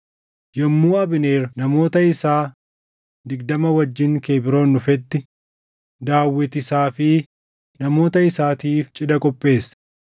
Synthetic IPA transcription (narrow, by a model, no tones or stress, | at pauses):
jɛmːuːɐbɪneːɾnɐmo̞ːt̪ɐɪsaː | d̪ɪɡd̪ɐmɐwɐd͡ʒːɪŋke̞ːbɪɾo̞ːnːʊfɛt̪ːɪ | d̪aːwːɪt̪ɪsaːfɪ | nɐmo̞ːt̪ɐɪsaːt̪iːft͡ʃʼɪd̪ɐkʼɔpʼːe̞ːs